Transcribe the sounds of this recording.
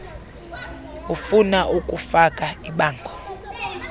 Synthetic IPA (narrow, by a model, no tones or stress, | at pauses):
ufunaʔukʼufakʼaiɓaːŋɡʱɔ